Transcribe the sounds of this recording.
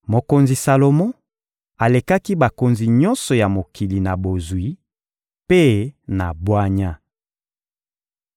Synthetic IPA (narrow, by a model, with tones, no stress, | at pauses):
mo˨ko˨nzi˨sa˨lo˨mɔ̃˦ | a˨le˨ka˦ki˦ba˨ko˨nzi˨ɲɔ˦nsɔ˨ja˨mo˨kʰi˨li˨na˨bo˨zwi˨˦ | pe˦na˨bwa˦ɲa˦